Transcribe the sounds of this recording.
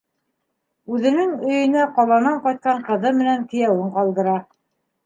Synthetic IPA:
ʉðɘ̆nɘŋɵ̆jɵ̆næqɒlˠɑnɑɴqɑjt̪̚qɑɴqɤ̆ðɤmɘ̆næŋk̪ɘ̆jæwɘɴqɑlˠd̪ɤ̆ɾɑ

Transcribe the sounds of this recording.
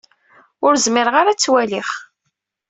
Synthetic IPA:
ʊɾzmɪɾʁaɾat͡sːwæliχ

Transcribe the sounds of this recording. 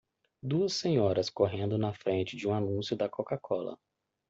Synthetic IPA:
d̪uɐsːẽɲɔɾɐskoɦẽnd̪ʊnɐfɾẽt͡ʃɪd͡ʒɪũanũsjʊd̪ɐkokakʰɔlɐ̰

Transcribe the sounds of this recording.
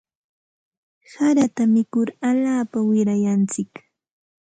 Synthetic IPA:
saɾat̪amɪkʊɾaʎaːpawɪɾajant͡sɪk

